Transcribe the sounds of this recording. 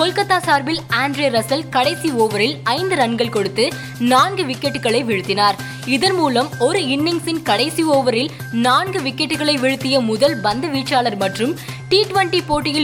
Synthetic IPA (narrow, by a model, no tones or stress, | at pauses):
sɔlkɐt̪ːaːsaːɾbɪlaːɳɖɾeːɾɐsɐlkɐɽɐɪsioːʋɐɾɪlɐɪnd̪ɯɾɐɳɡɐɭkɔɽɯt̪ːɯ | naːnɡɯʋɪkːɛʈːɯɣɐɭɐɪʋɪɻɯt̪ːɪnaːɾ | ɪðɐnmuːlɐmɔɾɯɪnːɪŋsɪnkɐɽɐɪsioːʋɐɾɪl | naːnɡɯʋɪkːɛʈːɯɣɐɭɐɪʋɪɻɯt̪ːɪjɐmʊðɐlbɐnd̪ɯʋiːʈt͡ʃːaːlɐɾmɐʈrɯmʈiːʈʋɐɳʈipoːʈːɪjɪ